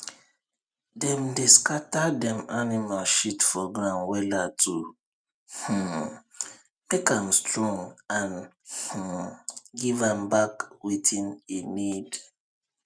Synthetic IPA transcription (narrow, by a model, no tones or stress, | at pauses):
dɛ̃mdeskatadɛ̃manimalʃitfɔɡɹãnwɛlatʰu | h̩ | mekãmstʰɹɔ̃ŋãnh̩ | ɡivãmbakwitĩnenid